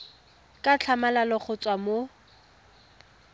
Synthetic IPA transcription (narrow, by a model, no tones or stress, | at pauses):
kʼat͡ɬʰamalalɔχʊt͡sʼwamo